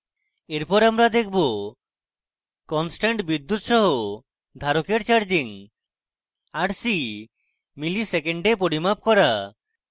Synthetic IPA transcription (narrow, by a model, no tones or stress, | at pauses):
eɾpɔɾamɾad̪ekʰbo | kɔnsʈaɳʈbid̪ːut̪ʃɔɦo | d̪ʱaɾokeɾt͡ʃaɾd͡ʑiŋ | aɽsi | milisekeɳɖepoɽimap̚kɔɾa